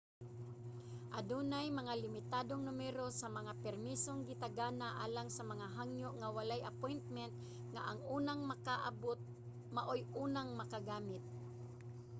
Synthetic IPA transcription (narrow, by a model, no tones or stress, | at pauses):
ʔad̪unajmɐŋalɪmɪt̪ad̪oŋnʊmɛɾosamɐŋapɛɾmisoŋɡɪt̪aɡanaʔaːlaŋsamɐŋaɦaŋjʊʔŋawalajʔapojnt̪̚mɛnt̪̚ | ŋaʔaŋuːnaŋmakaʔbʊt̪̚ | maʔojuːnaŋmɐkaɡaːmɪt̪̚